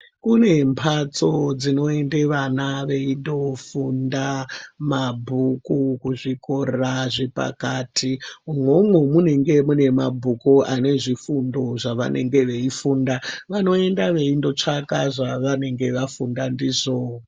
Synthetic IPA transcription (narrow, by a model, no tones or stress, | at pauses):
kune̞mpʰat͡so̞d͡zino̞e̞nde̞ʋanaʋe̞indo̞fundamabʱukukuʐikoraʐepa̰katʰiumwomwemuneŋɡe̞mune̞mabʱukuʔane̞ʐifundo̞ʐaʋa̰nʔe̞̰ŋɡe̞ʋe̞ifundaʋano̞e̞ndaʋe̞indo̞t͡ʂakaʐaʋane̞ŋɡe̞ʋafundandiːʐo